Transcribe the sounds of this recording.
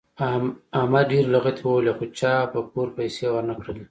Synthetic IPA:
amaɖeɾlaɣat̪ʰwəwelexot͡ʃɑpəkuɾpajsewəɾnakɽeli

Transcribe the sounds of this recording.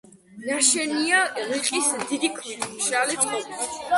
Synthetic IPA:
naʃɛnialiqʼismd̪id̪ikʰmit̪ʰmʃalip̪ʰʼuɾ

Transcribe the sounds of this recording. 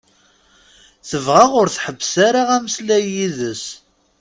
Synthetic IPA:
θəvʁaʁʊɾθħəbːsaɾaʁæməslæjiðəs

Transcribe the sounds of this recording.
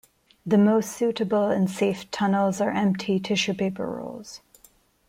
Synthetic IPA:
ðɨmoʊstsʉɾɨbl̩ˠɨ̃nseɪftʰʌnl̩ˠzə˞ʔɛ̃mp̚tʰitʰɪʃə˞peɪpə̰˞ɹo̰ʊlˠz̥

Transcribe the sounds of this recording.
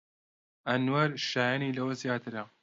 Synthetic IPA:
ʔɐnwaɾʃaːjanilɐwɐzjaːt̪ʰɨɾɐ

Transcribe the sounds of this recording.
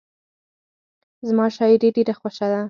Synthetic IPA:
zmɑʃɑɪɾeɖeɾaxwoʃad̪a

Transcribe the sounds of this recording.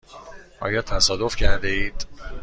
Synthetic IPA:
ʔɒ̰ːjɒːt̪ʰæsɒːd̪o̞fcʰæɾd̪eiːd̪̥

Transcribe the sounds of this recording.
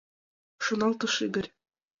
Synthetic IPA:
ʃunɑlˠt̪ɤʃiɡɘ̆ɾʲ

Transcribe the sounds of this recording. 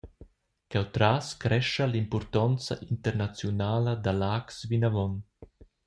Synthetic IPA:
kawt̪ɾaːskɾɛʃalimpɔɾt̪ɔnt͡sa̰ʔint̪əɾnat͡sjunaːlad̪alaːksvinavɔn

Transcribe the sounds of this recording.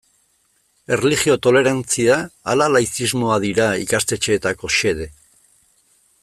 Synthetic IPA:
e̞rlixio̞t̪o̞le̞ɾant͡siaːlalajθizmo̞aðiɾaḭkast̪e̞t͡ʃe̞ːt̪ako̞ʃe̞ð̞e̞

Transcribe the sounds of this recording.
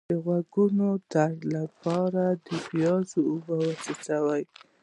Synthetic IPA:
əɣwaɡunot̪aɽlapɑɾad̪əbjɑzoobəwasasawaj

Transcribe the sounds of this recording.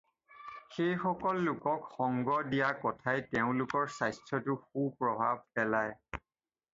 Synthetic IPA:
xejxɔkɔlːʊkɔkxɔŋɡɔdijakɔtʰajteʊ̃lʊkɔɹsajstʰɹɔtʊxupɹɔbʱa̰b̚pɛlaj

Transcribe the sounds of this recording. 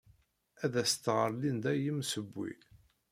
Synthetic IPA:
æðæst̪ːʁəɾlind̪æjəmsəbːḭ

